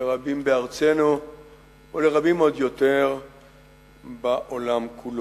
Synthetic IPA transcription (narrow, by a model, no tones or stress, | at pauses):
eʁabimbeaʁt͡seno | ole̞ʁabimo̞d̪jo̞teʁ | baʔolamkʰul